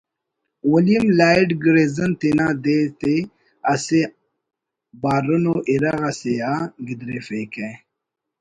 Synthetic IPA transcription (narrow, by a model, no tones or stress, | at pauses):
wəlimlaːiɖɡɾezənt̪inad̪et̪e | ase | baːɾunoʔiɾaɣasejaɡid̪ɾefeke